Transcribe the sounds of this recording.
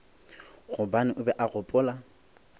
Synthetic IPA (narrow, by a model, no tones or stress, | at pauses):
ɣʊbanɪʔʊbɛʔaɣʊpʼʊːla